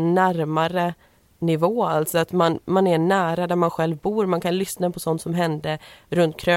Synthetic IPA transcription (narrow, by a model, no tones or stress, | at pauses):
næɾmaɾə | nɪvoːalt̪sɔat̪manmanæɳæːɾad̪æɾmanɧɛlvbuːɾmankʰanlʏsnapʰɔsɔnt̪sɔmɦɛnd̪əɾɵnt̪̚kʰɾø